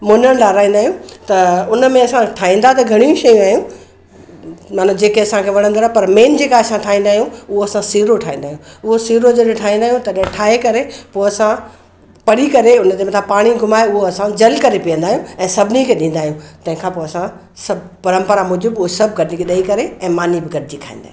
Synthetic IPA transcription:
mʊnəɽ̃ɗaːɾaːɦĩn̆d̪aːɦijũt̪ɐʊnəmẽɐsãʈʰaːɦĩːnd̪at̪ɐɡʱɐɽ̃ijũʃɐjũaːɦijũ | maːnud͡ʑeːkeɐsãkʰeʋɐɽ̤̃ə̃nd̪oːɾapɐɾmeːnd͡ʑeːkaɐsãʈʰaːɦĩːnd̪aːɦijũʊɦoɐsãsiːɾoʈʰaːĩːnd̪aːɦjũʊɦosiːɾod͡ʑɐlʈʰaːɦĩːnd̪aːɦijũt̪ɐɗɪ̃ʈʰaːɦekɐɾepoːɐsã | pɐɽikɐɾeʊnt̪emɐ̃t̪ʰapaːɽ̃iɡʱʊmaːeʊɦoɐsãd͡ʑɐlkɐɾepijə̃nd̪aːɦijũɛ̃ːsɐbʱɪnikʰeɗĩːn̆d̪aːɦijũt̪ɐ̃ɦɪ̃kʰãːpoːɐsã | sɐbpɐɾə̃mpəɾamʊd͡ʑɪbʊɦosɐb̚ɡɐɾd͡ʑikʰeɗɐikɐɾeɛ̃ːmaːnibɪɡɐɾd͡ʑikʰaːḭ̃nd̪aːɦ

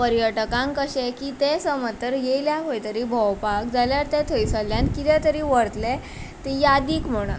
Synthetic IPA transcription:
pəɾjəʈəkãŋkəɕɛkit̪esəmət̪ːəɾjeljaɦojt̪əɾiːbʱəwpakd͡zaljaɾt̪ɛt̪ʰəjsəljãnkit̪ɛ̃t̪əɾiːʋəɾt̪lɛ | t̪ejad̪iːkm̤əɽ̃ṵ

